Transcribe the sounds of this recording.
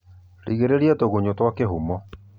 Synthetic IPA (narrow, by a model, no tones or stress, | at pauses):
ɾʔiɣeɾeɾiatoɣoɲotwakeɦumɔ